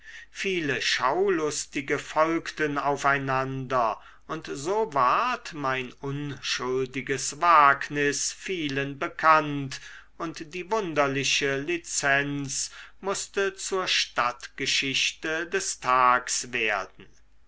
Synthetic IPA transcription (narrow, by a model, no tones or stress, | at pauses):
fiːləʃawlʊstɪɡəfɔlktənaʊfaɪnandɐ | ʊntzoːvaɐtmaɪnʊnʃʊldɪɡəsvaːknɪsfiːlənbəkʰant | ʊntd̥iːvʊndɐlɪɕəlit͡sɛnt͡smʊst̪ət͡suːɐʃtatɡ̥əʃɪɕtədɛstʰaːksv̥eːɐdn̩